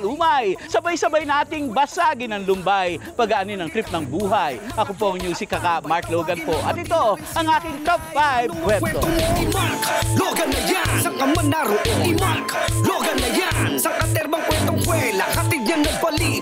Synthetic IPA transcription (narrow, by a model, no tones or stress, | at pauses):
luːmajsɐbajsɐbajnaːt̪ɪŋbɐsaɡɪnɐŋlʊmbajpɐɡɐʔɐninɐŋt̪ɾip̚nɐŋbuːɦajʔɐkopoʔɐŋɲuːsɪkːɐkamaɹkloːɡɐnpoʔɐ̰t̪ɪt̪o̞ʔɐŋʔaːkɪŋt̪ɔp̚fajb̚kwɛt̪omakloɡɐnɐjasɐŋkɐmɐnd̪aɾoʔɪmakloɡɐnɐjansɐŋkɐt̪ɛɾbɐŋkwɛnt̪oŋkwɛlahɐt̪ɪd̪̚ɲaŋnɐɡ̚pɐli